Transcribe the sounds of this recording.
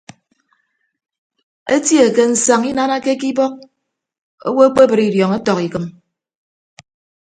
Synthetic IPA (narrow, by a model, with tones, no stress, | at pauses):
e˦tje˨ke˦n̩˨sa˨ŋi˦na˦na˦ke˦ki˦bɔ˦k̚ | o̰˦wo˦e˦k͡pe˦bɨ˨ɾi˨djɔ˨ŋe˦tɔ˨ki˨kɨ˨m